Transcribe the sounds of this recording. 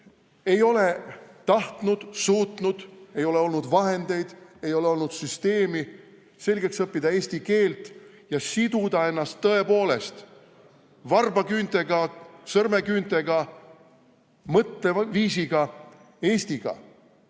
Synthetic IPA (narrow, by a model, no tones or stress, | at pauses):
e̞jo̞let̪ɑht̪nud̪̥suːt̪nud̪̥e̞jo̞le̞o̞lnud̪vɑɦe̞nd̪̥e̞jd̪̥e̞jo̞le̞o̞lnud̪̥syst̪e̞ːmi | se̞lʲɡe̞ksɤpːid̪̥ɑe̞ːst̪ike̞ːlt̪ˑ | jɑsid̪̥ud̪̥ɑe̞nːɑst̪ːɤ̞e̞po̞ːle̞st̪ | vɑrbɑɡynt̪eɡɑsɤrme̞kynt̪e̞ɡɑ | mɤt̪ːˑeviːs̬iɡ̥ɑ | e̞ːsʲt̪iɡ̥ɑ̰